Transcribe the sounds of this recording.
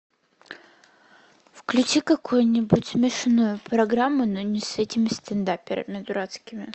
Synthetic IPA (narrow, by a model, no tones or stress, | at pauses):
fklʲʉt͡ɕikɐkʰojnʲɪbʊtʲsmʲɪʂnujʊpɾɐɡɾamːʊnonʲɪsɛtʲɪmʲɪst̪ɪnd̪apʲɪɾə̰mʲɪd̪ʊɾat̪skʲɪmʲɪ